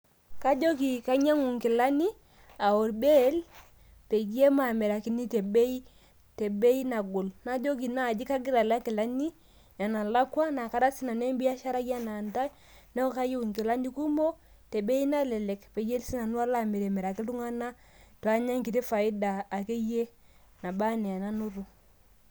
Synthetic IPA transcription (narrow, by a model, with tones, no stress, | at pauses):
ka˦d͡ʒo˦ɡi˨ka˦ɲa˦ŋu˨ŋki˨la˦ni˦ | a˨o˨ɾbe˦l | pe˨ɡe˦ma˨mɛ˨ɾa˨ki˦ni˦te˨be˦i˦ | tɛ˨be˦i˦na˨ɡo˨lna˦d͡ʒo˦ki˨na˦˨d͡ʒi˦ka˦ɡɪ˦ɾa˨la˦ki˨la˦ni˦ | ja˨na˨la˦kwa˦na˨ka˦ɾa˦si˦na˨nɛ˦mbi˦a˦ʃa˦ɾa˦ja˦na˨nta˦ | nɛ˦ka˦ji˦wu˨ŋke˨la˦ndi˦ku˦mo˦ | te˨be˦i˦na˦lɛ˨lɛ˨kpe˨je˦lsi˦na˨nu˦a˦la˦me˨ɾe˨mɛ˨ɾa˨ki˦ltu˦ŋa˦na˦ | twa˦ɲa˦ŋki˨ti˦fa˨i˦daː˨ke˦je˦ | na˨ba˦nɛ˨a˨na˦nu˦ɾu˦